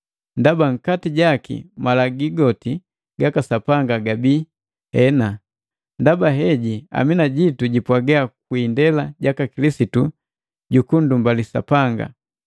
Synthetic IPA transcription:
ndabaŋ̩katiɟakḭmalaɡiɡɔti | ɡakasapaŋɡaɡabi | hɛna | ndabaɦɛɟia̰minaɟituɟipwaɡɛak̚windɛlaɟakakilisitu | ɟukundumbalisa̰paŋɡa̰

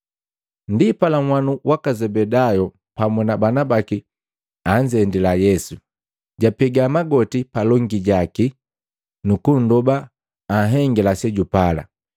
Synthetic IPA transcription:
ndipalaŋwanuwakazɛbɛdajɔ | pamunabanabaki | aɲd͡ʒɛndilajɛsu | ɟapɛɡamaɡɔtipalɔŋɡiɟaki | nukun̩dɔbaː | ɦɛŋɡɛlasɛɟupala̰

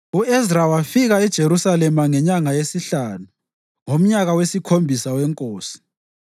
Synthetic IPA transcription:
uɛzrawafiɣaɛd̥ʒ̥ʱeɾusalɛmaŋɛɲaŋajesiɬanu | ŋom̩ɲaɣawesikʰombʱisawɛŋkʼoːsi̥

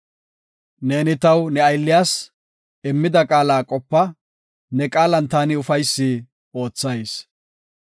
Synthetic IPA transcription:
ne̞ːnɪt̪ɐwnɛɐjlːɪjaːs | ɪmːɪd̪ɐkʼaːlaːkʼɔpːɐ | nɛkʼaːlɐnt̪aːnɪʊfɐjsːi | o̞ːt͡sːɐjs

